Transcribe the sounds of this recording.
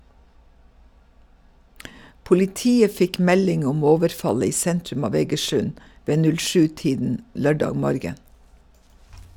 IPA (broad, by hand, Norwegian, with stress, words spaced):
pʊlɪˈtiːə ˈfɪk ˈmɛlɪŋ ˈʊm ˈoːʋəɾˌfɑlə ˈiː ˈsɛntɾʉm ˈɑːʋ eːɡəˈʃʉn ˈʋeː ˈnʉl ˈʃʉː ˈtiːdn̩ ˈlœɖɑːɡ ˈmɔɾɡən